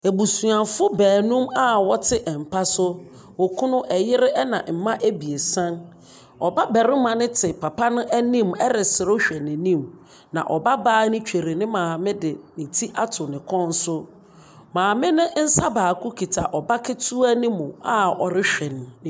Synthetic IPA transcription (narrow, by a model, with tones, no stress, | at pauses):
e˨bu˨su˨ã˨fʊ˦bæː˨nũ˦ma˦wɔ˦tʰɪ˦ʔɛ˨m̩˨pʰa˦sʊ˦ | wɔ˨kʰũ˦nʊ̃˦ʔɛ˨jɪ˦ɾɪ˦ʔɛ˦nã˨m̩˨mã˦ʔæ˦bi˨e˨sã˦n | ɔ˨ba˦bɛ˨ɾɪ̃˦mã˨nɪ̃˦tʰɪ˨pʰa˨pʰa˦nʊ̃˦ʔæ˦nĩ˦˨mɛ˦ɾɪ˨sɪ˨ɾʊ˦ɕᶣɛ˨nɪ̃˨nĩ˦m | nã̰˨ʔɔ˨ba˦baː˦nɪ̃˦t͡ɕᶣe˨ɾi˨nɪ̃˦mãː˨mɪ̃˦dɪ˨nĩ˨tʰi˦ʔa˦tʰʊ˨nɪ̃˨kʰɔ̃˦n˦sʊ˦ | mãː˨mɪ̃˦nɪ̃˦n̩˦sa˦baː˨kʰʊ˦kʰi˨tʰa˨ʔɔ˨ba˦kʰɪ˦tʰu˦a˦nɪ̃˦mʊ̃˨a˦ɔ˨ɾɪ˦ɕᶣɛ˨nɪ̃˨